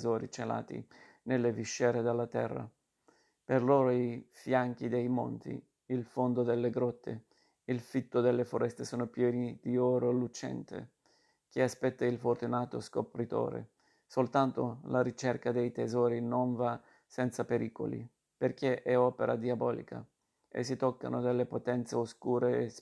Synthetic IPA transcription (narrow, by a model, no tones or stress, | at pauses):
zɔːɾḭt͡ʃela̰ːt̪ḭ | nelːeviʃːɛːɾed̪alːat̪ɛ̰rːa̰ | perloːɾoifjaŋk̟id̪ejmo̰nt̪ḭ | ilfond̪od̪elːeɡɾɔt̪ʰːḛ | ilfit̪ːod̪elːefoɾɛst̪esoːnopjɛːnid̪iɔːɾolut͡ʃɛ̰nt̪ḛ | k̟easpɛt̪ːailfort̪unaːt̪oskopɾit̪o̰ːɾḛ | solt̪ant̪o̰laɾit͡ʃɛrkad̪ejt̪ezɔːɾinoɱva | sɛnt̪sapeɾiːko̰lḭ | perkeʔɛɔːpeɾʔad̪iabɔːlḭkʰa̰ | ḛs̬ːit̪ɔkːa̰nod̪elːepot̪ɛnt̪seoskuːɾe